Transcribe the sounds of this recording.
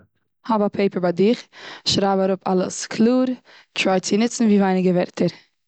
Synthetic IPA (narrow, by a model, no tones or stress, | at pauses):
hɔbapʰeɪpəɾbaɪdɪχʃɾaɪbaɾʊpʰa̰lˠə̰skʰlˠuːɾ | t͡ʃɾɔɪt͡sɪnɪt͡sn̩viːvaɪnɪɡəvɛɾtʰəɾ